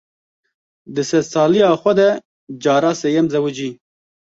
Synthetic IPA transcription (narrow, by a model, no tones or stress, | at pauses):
d̪ɨsɛzsɑːlijɑːxʷɛd̪ɛ | d͡ʒɑːɾaːseːjɛmzɛwɨd͡ʒiː